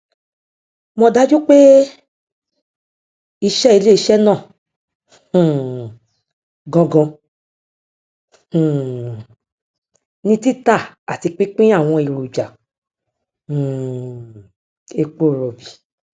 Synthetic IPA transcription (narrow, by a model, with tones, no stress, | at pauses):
mɔ̃˧da˦d͡ʒo˦k͡pe˦ | i˧ʃɛ˦i˧le˦i˧ʃɛ˦nãː˦˨ | ɡɔ̃˧ɡɔ̃˧˨ | nĩ˦ti˦˨ta˦˨a˨ti˧k͡pĩ˦k͡pĩ˦a˦˨w̃ɔ̃˧i˨ɾo˨d͡ʒa˨ | e˧k͡po˦˨ɾɔ˨bi˨